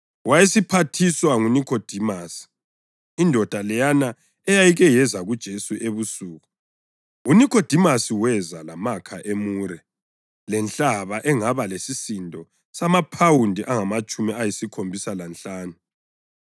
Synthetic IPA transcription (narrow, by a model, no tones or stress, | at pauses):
wajesipʰatʰiswaŋunikʰod̥ʱimaːsi̥ | indʱɔd̥ʱalɛjana | ɛjajiɣɛjɛzaɣud̥ʒ̥ʱesuʔeβusuːɣu | unikʰod̥ʱimasiwɛzalamakʰaʔemuːɾɛ | lɛnt͡ɬaβaʔɛŋaβalesisindʱɔ | samapʰawundʱiʔaŋamat͡ʃʼumiajisikʰombʱisalant͡ɬaːnu